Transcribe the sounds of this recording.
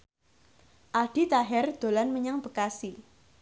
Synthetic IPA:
ʔaɖ̥i̤t̪aɦɛrd̪̥o̤lanməɲaŋb̥ə̤kasi

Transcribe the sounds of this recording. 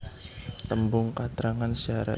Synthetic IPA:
t̪əmbʊŋkat̪ɾaŋansaɾa̰

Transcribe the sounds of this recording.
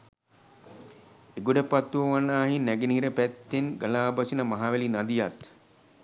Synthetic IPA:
eɡuɖəpat̪ːuʋəʋanːaːɦinːæɡeniɦiɾəpæt̪ːenɡəlaːbasinəmaɦaːʋelinad̪ijat̪

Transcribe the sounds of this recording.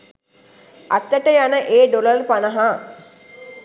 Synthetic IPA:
a̰t̪ːəʈəjanəʔeːɖolərpanəɦaː

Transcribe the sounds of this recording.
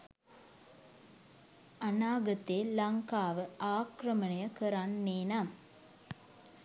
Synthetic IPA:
ɐnaːɡɐt̪eːlɐŋkaːʋɯʔaːkɾɐmɐɳɐjɐkəɾanːeːna

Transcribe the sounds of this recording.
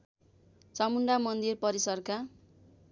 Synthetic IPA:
t͡samuɳɖamʌnd̪irpʌɾisʌrka

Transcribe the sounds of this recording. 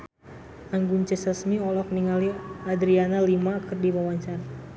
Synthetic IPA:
aŋɡuɲt͡ʃɛsasmiɔlɔk̚niŋaliad̪ɾianalimakərdimawaɲt͡ʃan

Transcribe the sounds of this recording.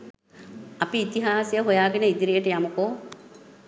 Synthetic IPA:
ɐpiːt̪iɦaːsjəɦujaːɡenəid̪iɾijəʈəjamukoː

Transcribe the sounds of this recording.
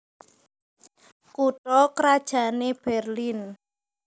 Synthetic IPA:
kuʈɔkɾad̥ʒ̥a̤neb̥ɛrlin

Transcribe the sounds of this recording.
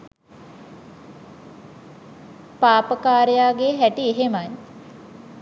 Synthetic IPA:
paːpəkaːɾejaːɡeɦæʈieɦemaj

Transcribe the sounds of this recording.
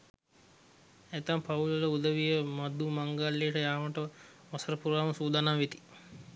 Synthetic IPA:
et̪ampaulələud̪əʋijəmad̪umaŋɡalːijəʈəjaːʋəʈə | ʋasəɾəpuɾaːməsuːd̪anaːʋit̪i̥

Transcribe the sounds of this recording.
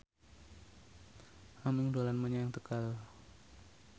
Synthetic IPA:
ʔamɪŋdolanmaɲajaŋt̪əkal

